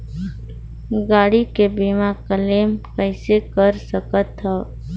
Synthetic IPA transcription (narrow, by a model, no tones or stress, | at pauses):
ɡaːɽikebiːmãkəleːmkəɪsekəɾsəkət̪ɦɛː